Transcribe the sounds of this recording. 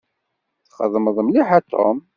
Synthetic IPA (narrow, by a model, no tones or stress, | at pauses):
θχə̰ðˤməðˤəmliħat̪ʰːo̰m